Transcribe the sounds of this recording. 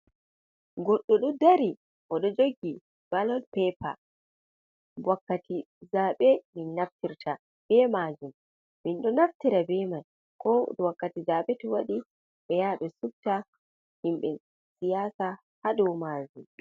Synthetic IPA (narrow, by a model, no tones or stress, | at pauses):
ɡɔɗːɔɗudaɾi | ʔɔɗɔd͡ʒoɡːi | balɔnpɛpa̰ | wakːatʰi | zaɓɛminːaftiɾtʰa | b̥ɛmad͡ʒumː | inɗɔnaftiɾabɛman | kɔɗɔwakːatizaɓɛtɔwaɗi | ɓɛjaɓɛsub̚ta | himɓɛ | sijaːsa | haɗɔwmad͡ʒum